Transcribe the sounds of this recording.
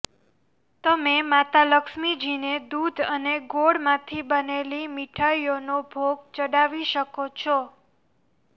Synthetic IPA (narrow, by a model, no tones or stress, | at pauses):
t̪əmemat̪aləkʃmid͡ʒined̪ud̪ʱəneɡoɽmãt̪ʰibənelimiʈʰaionobʱoɡt͡ʃəɽaʋiʃəkot͡ʃʰɔ